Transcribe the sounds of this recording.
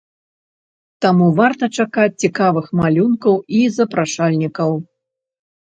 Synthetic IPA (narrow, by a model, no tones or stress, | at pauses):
t̪amuvart̪ɐt͡ʂakat͡sʲt͡sʲikavɨxmalʲunkɐwizɐpɾaʂalʲnʲikɐw